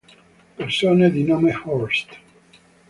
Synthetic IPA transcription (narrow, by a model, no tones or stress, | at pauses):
peɾsoneðinomehɔɾst̪